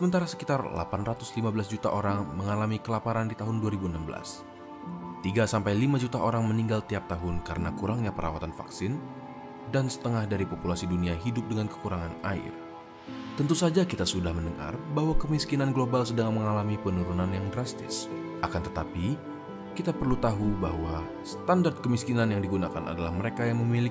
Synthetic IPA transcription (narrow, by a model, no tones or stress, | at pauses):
səmənt̪aɾasə̥kit̪arla̰panrat̪ʊslimabəlas̬d͡ʒut̪a̰ʔoɾaŋməŋalamikəlapaɾandit̪aɦʊnduaɾibuənambəla̰s | t̪iɡasampajlimad͡ʒut̪aʔoɾaŋməniŋɡalt̪iap̚t̪aɦʊnkaɾənakuɾaŋɲapəɾa̰wat̪anfa̰ksɪn | dansə̥t̪əŋahdaɾipopulasiduniaɦidʊp̚dəŋankə̥kuɾaŋanaɪ̰r | t̪ənt̪usad͡ʒakit̪asudahməndəŋa̰rbaɦwakəmiskinanɡlobalsədaŋaməŋalamipənuɾunanjaŋdɾast̪ɪ̰s | ʔakant̪ət̪api | kit̪apərlut̪aɦubahwa | sə̥t̪andart̪̚kəmiskinanjaŋdiɡunakana̰dalahməɾekajaŋməmili